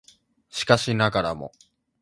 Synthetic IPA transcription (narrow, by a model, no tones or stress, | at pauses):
ɕi̥kaɕinaɡaɾa̰mo̞̰